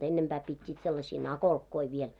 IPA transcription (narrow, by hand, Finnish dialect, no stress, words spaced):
enːempæː pitʲːiːt selːɑsiː nɑkolkːoi ʋiel